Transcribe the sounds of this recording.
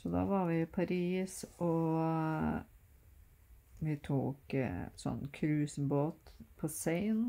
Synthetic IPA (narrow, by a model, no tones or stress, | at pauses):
sɔd̪ɑ̰ːʋɑɾʋɪpʰɑɾiːsʔɔ | ʋɪt̪ʰṵːksɔ̰nːkʰɾʉːsnboːt̪pʰɔseɪn